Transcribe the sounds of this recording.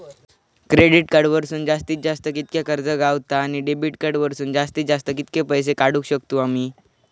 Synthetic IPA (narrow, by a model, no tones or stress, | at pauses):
kɾeɽiʈkaɾɖʋəɾsuːnd͡zast̪iːt̪̚d͡zast̪əkit̪̚kjakəɾd͡zəɡaʋt̪aːɽ̃iɖebiːʈkaɽʋəɾsuːnd͡zast̪iːt̪̚d͡zast̪əkit̪kepəjs̬ekaɽũːkɕək̚t̪uːamiː